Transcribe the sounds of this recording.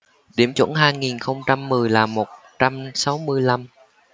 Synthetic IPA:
ɗi˧˩əmt͡ɕwə̰˧˥nɦaː˧jŋi˨˩nxə˧wŋ͡mt͡ɕa˧mːɨ˨˩əjlaː˨˩mo˨˩t̚ | t͡ɕa˧msa˨˦wmɨ˧əjla˧m

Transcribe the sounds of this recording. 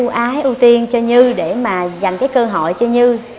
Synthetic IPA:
u˧ʔaː˨˦ʔu˧t̪i˧ənt͡ɕɔ˧ɲɨ˧ɗe˧˩maː˨˩za˨˩jŋ̟kaː˨˦jkəː˧ɦɔ̰˧˨jt͡ɕɔ˧ɲɨ˧

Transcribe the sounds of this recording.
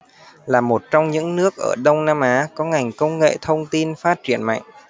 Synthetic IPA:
laː˨˩mo˨˩t̚t͡ɕɔ˧wŋ͡mɲɨ̰˧˥ŋnɨ˦˥ək̚ʔəː˧˩ɗə˧wŋ͡mnaː˧mʔaː˨˦kɔ˨˦ŋa˨˩jŋ̟kə˧wŋ͡mŋḛ˧˨t̪ʰə˧wŋ͡mt̪i˧nfaː˦˥t̚t͡ɕi˧˩ənma̰˧˨jŋ̟

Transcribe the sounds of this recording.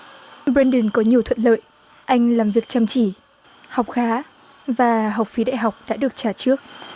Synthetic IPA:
bɾɛ˧nɗɨ˨˩nkɔ˨˦ɲi˨˩əwt̪ʰə˧˨n̚lə̰ː˧˨j | ʔa˧jŋ̟laː˨˩mvi˨˩ək̚t͡ɕaː˧˩mt͡ɕi˧˩ | hɔ˨˩wk͡p̚xaː˨˦ | vaː˨˩ɦa˨˩wk͡p̚fi˨˦ɗa̰ː˧˨jɦa˨˩wk͡p̚ɗa̰ː˧˥ɗɨ˨˩ək̚t͡ɕaː˧˩t͡ɕɨ˦˥ək̚

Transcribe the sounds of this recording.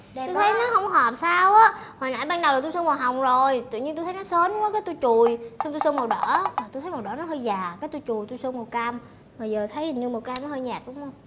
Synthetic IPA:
tu˧tʰə˨˦jnɔ˨˦xə˧wŋ͡mkɔ˦ɦɔː˨˩p̚saː˧wʔaː˨˦haː˨˩na̰ː˧˨jɓaː˧nɗwaː˨˩t̪u˧sə˧nmɔ˨˩ɦa˨˩wŋ͡mzo˨˩jt̪ɨ̰˧˨ɲi˧nt̪u˧jt̪ʰnɔ˨˦səː˨˦n˨˧˦ŋ͡mkɔ˨˦kaː˨˦jt̪u˧jt͡ɕu˨˩jsə˧ŋ͡mt̪u˧səː˧nma˨˩wɗə̰ː˧˩˥vaː˨˩t̪u˧jtʰə˨˦m˨˩wɗə̰ː˧˩nɔ˨˦ɦəː˧jzaː˨˩kaː˨˦jt̪u˧jt͡ɕu˨˩jt̪u˧jsəː˧nmo˨˩ka˧m | maː˨˩zəː˨˩t̪ʰə˨˦ji˨˩nɨ˧mo˨˩ka˧mnɔ˨˦həː˧jɲaː˨˩k̚ɗʊ̰˨˦ŋ͡mə˧wŋ͡m

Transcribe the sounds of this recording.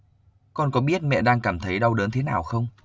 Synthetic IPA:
kɔ˧nkɔ˨˦ɓi˦˥ət̚mɛ̰˧˨ɗaː˧ŋkaː˧˩mt̪ʰə˨˦jɗa˧wɗəː˨˦nt̪ʰe˨˦naː˨˩wxə˧wŋ͡m

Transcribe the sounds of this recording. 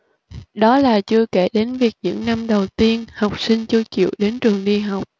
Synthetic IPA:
ɗɔ˨˦laː˨˩t͡ɕɨ˧əke˧˩ɗe˨˦nvi˨˩ək̚ɲɨ̰˧˥ŋna˧mɗə˨˩wt̪i˧ənha˨˩wk͡p̚si˧ŋt͡ɕɨ˧ət͡ɕḭ˧˨əwɗe˨˦nt͡ɕɨ˨˩əŋɗi˧ɦa˨˩wk͡p̚

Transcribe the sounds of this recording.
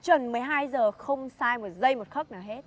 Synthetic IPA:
t͡ɕwə˨˩nmɨ˨˩əjɦaː˧jzəː˨˩xə˧wŋ͡msaː˧jmo˨˩t̚zə˧jmo˨˩t̚xə˦˥k̚nɨː˧˩he˦˥t̚

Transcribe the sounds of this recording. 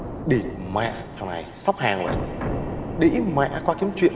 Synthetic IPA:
ɗi˨˩t̚mɛ̰˧˨t̪ʰa˨˩ŋna˨˩jsa˦˥wk͡p̚haː˨˩ŋlə̰˧˨ | ɗḭ˧˥mɛ̰˧˨kwaː˧ki˨˦əmt͡ɕwḭ˧˨ə

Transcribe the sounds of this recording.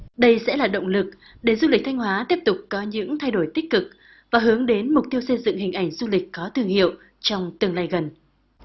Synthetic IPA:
ɗə˧jsɛ̰˧˥laː˨˩ɗə̰˧˨wŋ͡mlɨ˨˩k̚ | ɗe˨˩zu˧li˨˩k̟̚t̪ʰa˧ŋ̟ɦwaː˨˦t̪i˦˥əp̚t̪ʊ˨˩k͡p̚kɔ˨˦ɲɨ̰˧˥ŋt̪ʰa˧jɗo˧˩jt̪ï˦˥k̟̚kɨ˨˩k̚ | vaː˨˩ɦɨ˨˦əŋɗe˨˦nmʊ˨˩k͡p̚t̪i˧əwsə˧jzɨ̰˧˨ŋhï˨˩ŋ̟ʔa˧˩jŋ̟zu˧lï˨˩k̟̚kɔ˨˦t̪ʰɨ˧əŋhḭ˧˨əw | t͡ɕɔ˧wŋ͡mt̪ɨ˧˩əŋlaː˧jɣə˨˩n

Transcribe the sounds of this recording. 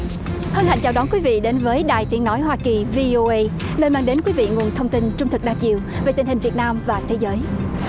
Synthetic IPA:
hə˧nha̰˧˨jŋt͡ɕaː˨˩ɗɔ˨˦nkwi˨˦vḭ˧˨ɗe˨˦nvəː˨˦jɗaː˨˩jt̪i˨˦əŋnɔ˨˦jɦwaː˧ki˨˩vi˧ʔo˧ʔə˧j | nəː˧maː˧ŋɗe˨˦nkwi˨˦vḭ˧˨ŋu˨˩ənt̪ʰə˧wŋ͡mt̪i˧nt͡ɕʊ˧ŋ͡mt̪ʰɨ˨˩k̚ɗaː˧t͡ɕḭ˧˨əwve˨˩t̪ï˨˩ŋ̟hï˨˩ŋ̟vi˨˩ət̚naː˧mvaː˨˩t̪ʰe˨˦zəː˨˦j

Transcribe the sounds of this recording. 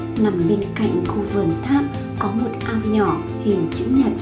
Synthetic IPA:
na˨˩mɓe˧nka̰˧˨jŋ̟xu˧vɨ˨˩ənt̪ʰaː˦˥p̚ | kɔ˨˦mo˨˩t̚ʔaː˧mɲɔ˧˩ | hi˨˩əŋt͡ɕɨ̰˧˥ɲə˨˩t̚

